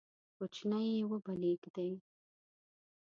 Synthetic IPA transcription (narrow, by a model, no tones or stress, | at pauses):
kʊt͡ʃnajewəbaleɡd̪ej